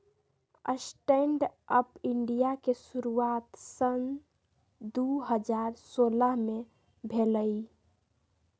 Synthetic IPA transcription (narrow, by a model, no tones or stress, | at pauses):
ə̰sʈeɳɖəpiɳɖijakesuɾuat̪sən | d̪uɦəd͡ʒaɾsoləɦme | bʱeləj